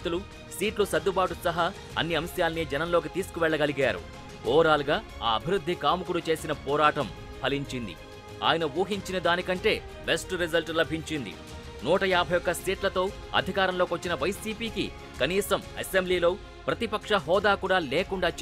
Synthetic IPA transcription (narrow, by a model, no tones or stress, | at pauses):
t̪ulu | siːʈlusɐd̪ːubaːʈusɐɦɐ | ɐ̰nːiɐmsjaːlɐnid͡ʒɛnɐnloːk̬it̪iːsukuʋɛɭːɐɡɐliɡaːɾṵ | kɔːɾaːluɡaː | aːɐbʱiɾud̪ʱːikaːmukuɽut͡ʃe̞ːsinɐpɔːɾaːʈɐm | pʰɐliɲt͡ʃind̪ḭ | a̰ːjɐnɐʋuːɦiɲt͡ʃinɐd̪aːnikɐɳʈe̞ː | besʈɾizɐlʈlɐbʱiɲt͡ʃind̪ḭ | nuːʈɐjaːbʱɐjɔkːɐsiːʈlɐt̪o̞ː | ɐ̰d̪ʱikaːɾɐmlokiʋɐt͡ʃːinɐʋɐjsiːpiːkḭ | kɐniːsɐmesembliːlo̞ː | pɾɐt̪ipɐkʂɐɦɔːd̪aːkuːɽaːleːkuɳɖaːt͡ʃ